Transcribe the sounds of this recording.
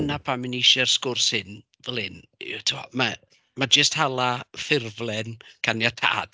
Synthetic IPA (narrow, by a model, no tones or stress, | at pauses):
napʰamɪniʃɛrskʊrshɪn | vɛlˠɪntʰuɔ̰ma | mad͡ʒəsthalˠafɪrvlˠɛnkʰanjatʰa̰ːd̥